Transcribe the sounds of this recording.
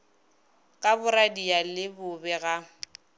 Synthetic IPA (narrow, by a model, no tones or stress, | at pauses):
kʼabʊɾadijalɪbʊbɛɣa